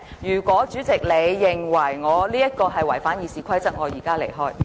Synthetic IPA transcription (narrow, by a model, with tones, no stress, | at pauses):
jyː˨˩kʷwɔː˨˥t͡ʃyː˨˥t͡sɪ˨k̚le˨˧jːɪ˨ŋwɐ˨˩jŋɔː˨˧liː˥jɐ˥t̚kɔː˧ɦɐ˨jwɐ˨˩jfaː˨˥njiː˨˧siː˨˩kʰɐ˥jt͡sɐ˥t̚ŋɔː˨˧jiː˨˩kaː˥lḛ˨˩jɦɔː˥j